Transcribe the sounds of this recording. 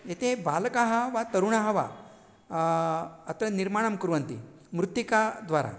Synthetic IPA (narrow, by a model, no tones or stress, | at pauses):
jet̪ʰebalkaɦəʋat̪əɾuɳaɦəʋa̰ | ət̪əniɾmaɽ̃əmkuɾʋənt̪ḭ | mɾut̪ːikad̪ʋaɾa̰